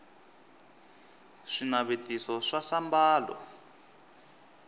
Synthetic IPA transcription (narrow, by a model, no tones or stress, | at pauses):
ʂinaβetʼisɔʂasambaːlɔ̰